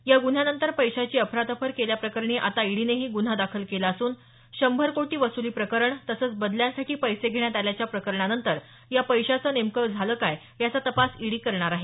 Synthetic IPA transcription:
jaɡun̤anənt̪əɾpəjɕat͡ɕiːəpʰɾat̪əpʰəɾkeljapɾəkəɾɳ̃iːʔat̪aiɽineɦiːɡun̤ad̪akʰəlkelaːsuːn | ɕəmbʱəɾkoʈiːʋəsuliːpɾəkəɾəɳt̪əsəːt͡sbəd̪ljasaʈiːpəjseɡʱeɳ̃jat̪aljat͡ɕjapɾəkəɾɳanənt̪əɾ | japəjɕat͡səːnemkəʋd͡zʱaləːkaj | jat͡sat̪əpasiɽiːkəɾɳaɾaɦe

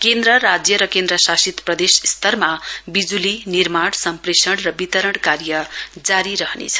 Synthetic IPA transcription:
kend̪rʌɾad͡zjʌɾʌkend̪ɾʌsasit̪prʌd̪esst̪ʌrmabid͡zulinirmaɽ̃sʌmpɾesʌɽrʌbit̪ʌɾʌɽkaɾjʌd͡zaɾiɾʌɦnḛt͡sʰʌ̥

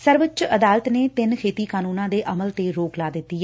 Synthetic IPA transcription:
səɾʋət͡ʃəd̪aːlət̪neːt̪ɪnkʰeːt̪iːkaːnuːnãːd̪eːʔəməlt̪eːɾoːklaːd̪ɪt̪ːiːɦɛː

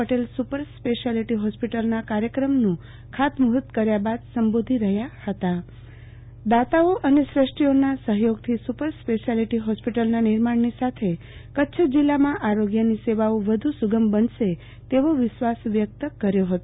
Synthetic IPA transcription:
əʈelsupəɾspeʃaliʈiɦɔspiʈəlnakaɾjəkɾəmnũ | kʰat̪məɦut̪kəɾjabad̪səmbod̪ʱiɾəɦjahət̪a | d̪at̪aoʔənesɾəʂʈionasəɦjoɡ̚t̪ʰisupəɾspeʃaliʈiɦɔspiʈəlnanɪɾmaɳnisat̪ʰe | kətːʃʰəd͡ʒilːamãʔaɾoɡjəniseʋaoʋəd̪ʱusuɡəmbənʃe | t̪eʋoʋɪʃʋasʋjək̚t̪əkəɾjoɦət̪o

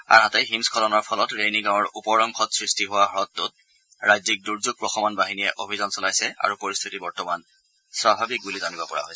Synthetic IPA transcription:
a̰nɦatɛɦimskʰɔlɔnɔɹpʰɔlɔtɹejniɡãw̃ɔɹʔupɔɹɔŋkʰɔtsɹistʰiɦʊwaɦɹɔtːʊt̚ | ɹajzik̚duɹzuɡ̚pɹɔxɔmɔnbaɦinijɛʔobʱizɔnsɔlajsɛʔa̰ɹupoɹist̪ʰitibɔɹtɔman | sɹabʱabik̚bulizanibɔpɔɹa̰ɦojsɛ

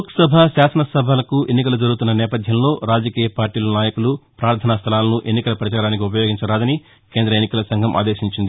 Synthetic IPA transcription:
uksɐbʱaʃaːsɐnɐsɐbʱɐlɐkuʔenːik̬ɐlud͡ʒɐɾuɡut̪unːɐnɛːpɐd̪ʱjɐmlo̞ːɾaːd͡ʒɐkiːjɐpaːɾʈiːlɐnaːjɐkulupɾaːɾt̪ʰɐnɐst̪ʰɐlaːlɐnuʔe̞nːikɐlɐpɐɾɐt͡ʃaːɾaːnik̬iup̬ɐjo̞ːɡiɲt͡ʃɐɾaːd̪ɐni | keːnd̪ɾɐenːikɐlɐsɐŋɡʱɐmʔa̰ːd̪eːʃiɲt͡ʃind̪ii

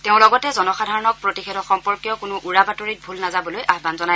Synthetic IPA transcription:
teʊ̃lɔɡɔtɛzɔnɔxadʱaɹɔnɔk̚pɹotixetʰɔxɔmpɔɹkjɔkʊnʊʔuɹabatoɹit̚bʱulnazabɔlojʔaxbanzɔnaj

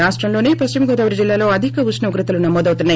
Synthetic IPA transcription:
aːʂʈɾɐmlo̞ːneːpɐst͡ʃimɐɡɔːd̪ɐːʋɐɾid͡ʒilːaːlo̞ːɐd̪ʱikɐʋusnɐʋɐɡɾut̪ɐlunɐmɔːd̪ɐwt̪unːa

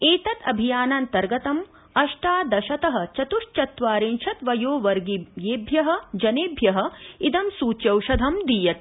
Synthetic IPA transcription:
eːt̪ɐt̪ɐbʱijaːnɐnt̪ɐɾɡɐt̪ɐm | ɐʃʈaːd̪ɐʃɐt̪ɐɦɐ̆t͡ʃɐt̪uʂt͡ʃɐt̪ʋaːɾenʃɐt̪ʋɐjoːʋɐɾɡijeːbʱjɐɦɐ̆d͡ʒɐneːbʱjɐɦɐ̆id̪ɐmsuːt͡ʃjɐwʃɐd̪ʱɐmd̪ijɐt̪̚

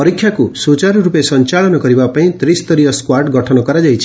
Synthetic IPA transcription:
pɔɾikʰːjakusut͡ʃaɾɔɾupesɔnt͡ʃaɭɔnɔkɔɾibapaĩt̪ɾist̪ɔɾiɔskwaɾʈɡɔʈʰɔnɔkɔɾad͡ʒajt͡ʃʰi̥

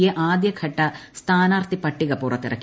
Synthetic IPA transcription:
jeʔaːd̪jɐkʰɐʈːɐst̪ʰaːnaːrt̪ipɐʈːiɣɐpuːrɐt̪ːḭrɐ̰kː

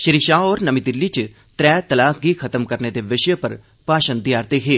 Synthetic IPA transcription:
ʃɪɾiʃaːɔːɾnəmid̪ɪlːiːt͡ʃ | t̪ɾɛːt̪əlaːɡikʰət̪əmkəɾneːd̪eːʋɪʃjəpəɾ | paːʃənd̪ɪjaːɾt̪eːɦeː

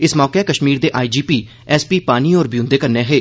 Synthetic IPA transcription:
ɪsmɔːkɛːkəʃmiːɾd̪eːʔaːiːd͡ʒiːpiː | ɛːspiːpaːniːɔːɾbijũːnd̪eːkəɾneːɦeː

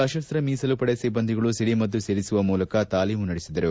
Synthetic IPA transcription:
ɐʃɐst̪ɾɐmiːsɐlupɐɽesibɐnd̪ʱiɡɐɭusiɽimɐd̪ːuseːɾisuʋɐmuːlɐkɐt̪aːliːmunɐɽesid̪ɐɾu

